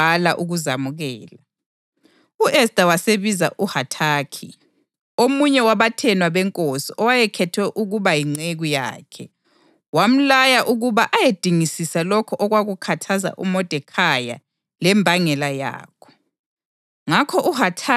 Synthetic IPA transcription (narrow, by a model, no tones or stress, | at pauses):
alaʔuɣuzamuɣɛːla | uʔɛsd̥ʱawaseβizaʔuhatʰaːkʰi | omuɲɛwaβatʰɛnwaβɛŋkʼosiʔɔwajɛkʰɛtʰwɛʔuɣuβajiŋ͡ǀeɣuja̰ːkʰɛ | wam̩lajaʔuɣuβaʔajed̥ʱiŋisisalɔkʰɔʔɔɣwaɣukʰatʰaza̰ʔṵmɔd̥ʱɛkʰaja̰ | lɛmbʱaŋɛlaja̰ːkʰɔ̥ | ŋakʰɔʔuɦatʰa